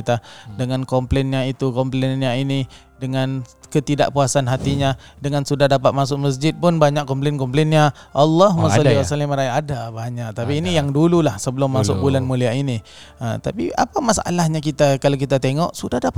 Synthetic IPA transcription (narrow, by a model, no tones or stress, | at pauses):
t̪adəŋankɔmplɛnɲait̪ukɔmplenɲaini | dəŋankət̪ida̰ʔpuasanɦat̪iɲadəŋansudahdapat̪̚mas̬ʊʔməs̬d͡ʒɪt̪̚pʊnbaɲaʔkɔmplenkɔmplɛnɲaʔalːɔɦmasaliwasaliməɾajʔadabaɲaʔ̚t̪apiːnijaŋdululahsəbəlʊmːasʊ̰kbulanmuliaʔini | ə̰t̪apḭa̰pamasa̰lahɲak̬it̪akalok̬it̪at̪eŋɔʔsudahdap